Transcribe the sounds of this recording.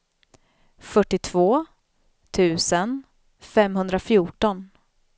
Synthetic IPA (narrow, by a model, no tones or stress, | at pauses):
fœʈːɪt̪ʰvoː | t̪ʰʉ̟ːsən | fɛmɦɵnd̪ɾafjuːʈɔn